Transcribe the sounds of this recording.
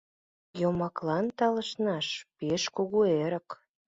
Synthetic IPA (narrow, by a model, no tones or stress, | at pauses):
jomɑklɑnt̪ɑlə̆ʃnɑʃpeʃkuɣueɾə̆k